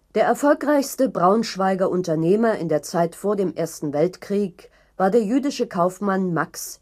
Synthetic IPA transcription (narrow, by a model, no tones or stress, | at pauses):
d̥eːɐɛɐfɔlkʁaɪçstəbʁaʊnʃv̥aɪɡɐʔʊntɐneːmɐɪ̰ndeːɐt͡saɪtfoːɐdeːmʔeːɐstn̩vɛltkʁ̥iːk | v̥aːɐdeːɐjyːdɪʃəkʰaʊfmanmaks